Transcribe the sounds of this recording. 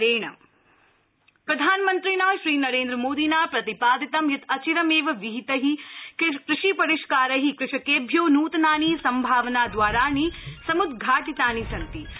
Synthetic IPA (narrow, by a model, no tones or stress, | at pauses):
ɾeːɳɐ̰ | pɾɐd̪ʱaːnmɐnt̪ɾinaːʃɾiːnɐɾeːnd̪ɾɐmoːd̪iːnaːpɾɐt̪ipaːd̪it̪ɐmjɐt̪ɐt͡ʃiɾɐmeːʋɐʋiɦit̪ɐɦi | kɾɪʂipɐɾiʃkaːɾɐɦikɾɪʃɐkeːbʱjoːnuːt̪naːniːsɐmbʱaːʋnaːd̪ʋaːɾaːɳiːsɐmud̪ʱɡʱaːʈit̪aːnisɐnt̪i